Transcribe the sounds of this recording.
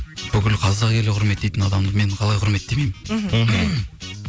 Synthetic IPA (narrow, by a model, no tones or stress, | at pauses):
b̥ʏkʲɪlqʰɑzd̪ɑʁkʲʰe̞lɪqʰʊɾme̞t̪̚d̪e̞jt̪ɪnɑd̪ɑmd̪əme̞ɴqʰɑlˠɑjqʰʊɾme̞t̪̚d̪e̞mejmɪn